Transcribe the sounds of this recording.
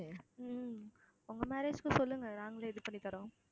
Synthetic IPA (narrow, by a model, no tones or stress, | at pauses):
ʊŋɡɐmɛːɾeːd͡ʒkɯ̃sɔlːɯŋɡɐnaːŋɡɐleːðɯpɐɳːit̪ɐɾõː